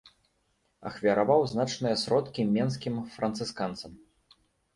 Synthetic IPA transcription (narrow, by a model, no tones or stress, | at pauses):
ɐ̰xvʲɐɾavawznat͡ʂnɨjɐsɾɔt̪kʲimʲɛnskʲimfɾɐnt̪sɨskant̪sɐm